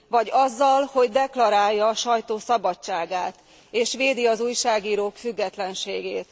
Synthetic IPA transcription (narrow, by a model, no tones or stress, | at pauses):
vɒɟɒzːɒlho̞ɟd̪ɛklɒɾaːjːɒːʃɒjt̪oːsɒbɒt͡ʃt͡ʃːaːɡaːt̪ | eːʃʋeːd̪iɒzuːjʃaːɡiːɾoːkfyɡːɛt̪lɛnʃeːɡeːt̪